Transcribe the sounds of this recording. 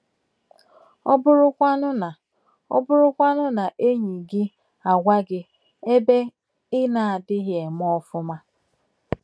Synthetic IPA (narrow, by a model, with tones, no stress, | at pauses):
ɔ˦bʊ˦ɾʊ˦kʷa˦nʊ˦na˨ | ɔ̰˦bʊ˦ɾʊ˦kʷa˦nʊ˦na˨ʔe˦ɲi˨ɡi˦ | a˨ɡʷa˦ɡɪ˦ | e˦be˦ | ɪ˦na˨a˨dɪ˦ɦje˨m˦ɔ˦fʊ˦ma˦